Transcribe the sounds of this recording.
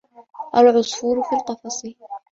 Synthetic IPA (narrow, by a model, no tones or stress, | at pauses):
ʔɑɾˤʕʊsˤfuːɾfilt̪ɑfɑsˤiːl